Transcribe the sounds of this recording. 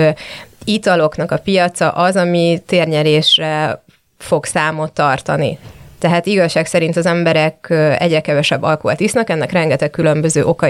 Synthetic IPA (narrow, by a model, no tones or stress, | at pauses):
it̪ɒlo̞knɒkɒpijɒt̪sɒ̰ʔɒzɒmit̪eːrɲɛleːʃrɛ | fo̞ksaːmo̞t̪ːɒrt̪ɒnḭt̪ɛɦaːt̪iɡɒʃːaːksɛɾint̪ɒzɛmbɛɾɛkøɛ̰ɟrɛkɛvɛʃɛbːɒlkoɒ̰t̪isnɒkɛnːɛkrɛŋɡɛt̪ɛkːylø̞mbø̞zøːʔo̞kɒ